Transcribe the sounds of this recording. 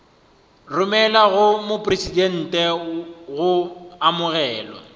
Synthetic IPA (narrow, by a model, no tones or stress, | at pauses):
rʊmɛlaɣʊmʊpʼresidɛn̩ːtʼɛɣʊamʊɣɛːlɔ̰